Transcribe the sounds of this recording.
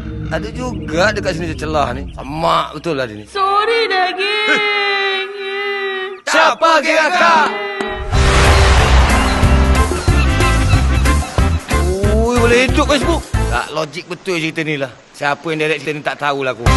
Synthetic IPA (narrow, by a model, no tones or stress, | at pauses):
aduʔd͡ʒuɡaʔdəkaʔsinid͡ʒat͡ʃəlahnisa̰maʔbət̪ʊladinisoɾidaɡi | sapaɡiaka | uibolɛhidʊp̚bɛs̬buʔɡa̰ʔlod͡ʒik̚bət̪ʊlsikit̪ənilah | siapəjaŋdaɾɛʔsit̪ənit̪aʔt̪aulaku